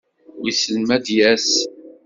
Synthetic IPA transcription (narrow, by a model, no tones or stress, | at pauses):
wisəlmæd̪jæs